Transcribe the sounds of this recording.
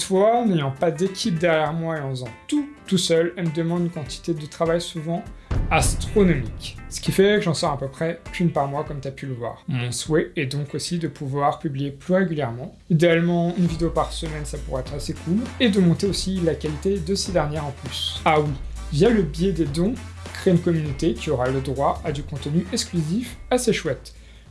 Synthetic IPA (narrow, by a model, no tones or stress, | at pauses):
t̪fwanejɑ̃pad̪ekʲʰip̚d̪ɛʁjɛʁmwaeɑ̃zɑ̃t̪ut̪usœlɛməd̪əmɑ̃d̪ynkɑ̃t̪ʰi̥t̪ed̪ət̪χavajsuvɑ̃ast̪χonɔmiksə̥kʲifɛkəʒɑ̃sɔʁɛ̃pøpχɛkʲynpaʁmwakɔmt̪yapyləvwa̰ːʁmɔ̃swɛɛd̪ɔ̃kosid̪əpuvwaʁpyblijeplyʁeɡʲyljɛʁmɑ̃ | id̪ealmɑ̃ynvid̪eopaʁsəmɛnsapuʁaɛt̪χasekʰuled̪əmɔ̃t̪eosilakʲalit̪ed̪əsed̪ɛʁnjɛʁɑ̃plysawivjaləbjɛd̪ed̪ɔ̃kχeynkɔmynot̪ekʲiɔʁaləd̪ʁwaʔad̪ykɔ̃t̪ənyɛksklyzifaseʃwɛt̪